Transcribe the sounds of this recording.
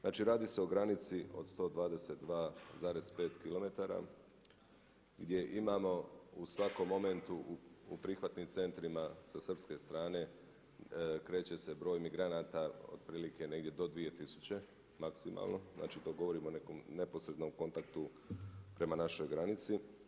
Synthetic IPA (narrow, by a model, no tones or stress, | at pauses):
znaːt͡ʃiɾaːd̪ise̞o̞ɡɾanit̪siod̪st̪o̞ːd̪ʋaːd̪e̞se̞t̪d̪ʋaːzaːɾe̞zpe̞ːt̪kilo̞me̞t̪aːɾa̰ | ɡd̪je̞ʔimaːmo̞usʋako̞mːo̞me̞nt̪uupɾixʋat̪nimt̪se̞nt̪ɾimasasər̩pske̞st̪ɾaːne̞ | kɾe̞ːt͡ɕe̞se̞bɾo̞ːjmiɡɾanaːt̪ao̰d̪̚pɾiːlike̞ne̞ɡd̪ʲjed̪o̞d̪ʋije̞t̪isu̥t͡ɕe̞ | maksima̰lˠno̞zna̰ːt͡ʃit̪o̞ːɡoʋo̞ɾimonekomne̞po̞sɾe̞d̪no̞mko̞nt̪akt̪u | pɾe̞manaʃo̞jɡɾanit̪si